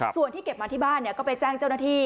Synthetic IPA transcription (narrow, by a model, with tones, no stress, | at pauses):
su˨˩ənt̪ʰiː˥ke˨˩p̚ma˧t̪ʰiː˥˩baː˥˩nːi˥˩ɐkɔː˥˩pa˧jt͡ɕaː˥˩ŋt͡ɕa˥˩wnaː˥˩t̪ʰiː˥˩